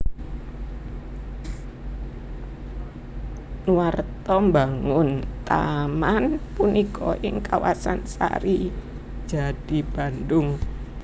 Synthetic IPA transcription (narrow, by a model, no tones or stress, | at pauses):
nwart̪ɔmbaŋʊnt̪amanpunikɔʔɪŋkawasansa̰ɾi̥ | d͡ʒ̥ad̥i̤b̥a̤ndʊŋ